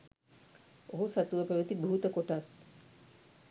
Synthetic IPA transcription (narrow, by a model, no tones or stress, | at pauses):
oɦusat̪uəpɛʋət̪ibʱuɦut̪əkoʈas